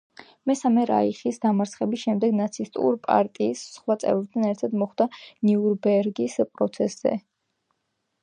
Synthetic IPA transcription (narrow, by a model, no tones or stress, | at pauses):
mɛsamɛɾa̰iχisd̪amaɾt̪sʰχɛbisʃɛmd̪ɛɡnat̪sʰist̪ʼṵɾpʼa̰ɾt̪ʼiːsːχwat̪sʼɛ̰vɾɛt̪ʰanɛɾt̪ʰad̪mɔχd̪aniuɾbɛɾɡispʼɾɔt̪sʰɛsz̥ɛ̰